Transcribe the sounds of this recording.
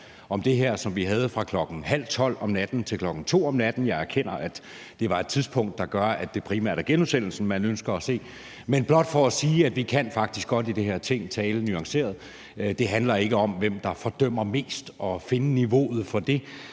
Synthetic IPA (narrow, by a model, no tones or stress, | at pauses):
ɒ̽md̥e̝ɦeɐ̰sɒ̽mʋiɦæð̞ˠəfʁɑ̈kʰlɒ̽ɡ̥n̩hæl̰t͡sʰɒ̽l̰ɒ̽mnæd̥n̩t͡sʰe̝lkʰlɒ̽ɡ̥n̩t͡sʰo̝̰ːɒ̽mnæd̥n̩jɑ̈ɪæɐkʰen̰ɐæd̥ | d̥e̝ʋɑ̈e̝d̥̚t͡sʰiðˠspʰɔ̽ŋ̰d̥ːɑ̈ɡ̥ɶɐæd̥e̝pʰʁimæ̰ɐ̰d̥æɐɡ̥enɒsen̰l̩sn̩mænønsɡ̥ɐːse̝̰ː | menb̥lɒ̽d̥fɒ̽ːsiːæd̥ʋikʰæn̰fɑ̈ɡ̥d̥isɡ̥ɒ̽d̥id̥eɦeɐ̰t͡sʰe̝ŋ̰t͡sʰɛːlənyɑ̈ŋse̝̰ːɐðˠ | d̥e̝ɦænlɐe̝ɡ̥əɒ̽mʋem̰d̥ɑ̈fɒ̽d̥œm̰ɐme̝̰ːsd̥ɒ̽fe̝nəniʋo̝̰ːð̞̩ˠfɒ̽d̥e̝